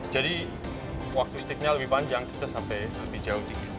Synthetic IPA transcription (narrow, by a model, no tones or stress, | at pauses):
d͡ʒadi | wak̚t̪ust̪ik̚ɲaləbipand͡ʒaŋkit̪asampɛjləbid͡ʒaut̪iki